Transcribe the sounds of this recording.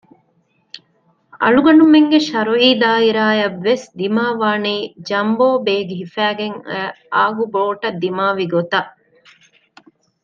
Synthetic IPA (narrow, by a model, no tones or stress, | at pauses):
ɐ̰ɭuɡɐɳumeŋɡeʃɐɾuiːd̪aːiɾaːjɐʋːesd̪imaːʋaːniːd͡ʒɐmboːbeːɡiɦifæːɡeŋæ | aːɡuboːʈɐd̪ːimaːʋiɡot̪ɐʔ